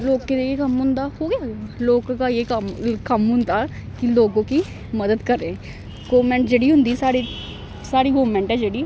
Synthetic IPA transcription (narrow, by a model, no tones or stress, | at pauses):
loːkːed̪eeːkəmɦʊ̃nd̪aːhoːɡɪjaːloːkkajeːkəmkəmɦʊnd̪aːkiloːɡõːki | məd̪əd̪kəɾẽː | ɡoːmɛ̃ɳʈd͡ʒeːɽiːɦʊ̃nd̪iːsaːɽiː | saːɽiːɡoːmɛ̃ɳʈɦɛːd͡ʒeːɽiː